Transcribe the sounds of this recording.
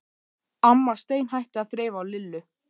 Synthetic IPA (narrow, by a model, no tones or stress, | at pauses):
amːast̪eːjnɦajht̪ɪaðθɾeːjvaːwlɪlːʏ